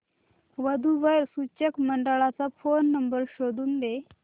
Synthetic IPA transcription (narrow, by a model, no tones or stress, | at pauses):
ʋəd̪ʱuʋəjɾsut͡ɕekməɳɖəɭat͡safonːəmbəɾɕod̪uːnd̪e